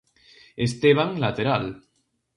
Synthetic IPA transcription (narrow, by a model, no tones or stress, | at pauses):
est̪eβ̞aŋlat̪eɾal